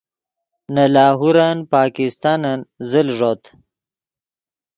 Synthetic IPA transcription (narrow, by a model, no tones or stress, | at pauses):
nalaːɦuɾanpɑːkist̪ɑnanzəlʐot̪